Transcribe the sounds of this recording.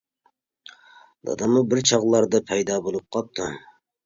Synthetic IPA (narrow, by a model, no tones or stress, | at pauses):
d̪̥ɑ̰d̪ɑmubɪɾt͡ʃʰɑʁlˠɑɾd̪ɑpʰɛjd̪ɑːbolˠup̚qʰɑp̚t̪ʰu